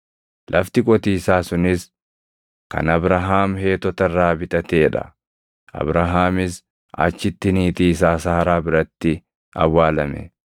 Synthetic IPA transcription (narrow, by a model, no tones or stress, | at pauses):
lʔɐft̪ɪkʼɔt̪iːsaːsʊnɪs | kɐ̰nɐbɾɐɦaːmhe̞ːt̪ːɔt̪ɐraːbɪt̪ʼɐt̪eːᶑɐ̰ | ʔɐ̰bɾɐɦaːmɪs | ɐ̰t͡ʃːɪt̪ːɪniːt̪iːsaːsaːɾaːbɪɾɐt̪ːɪ | ɐ̰wːaːlɐmɛ̰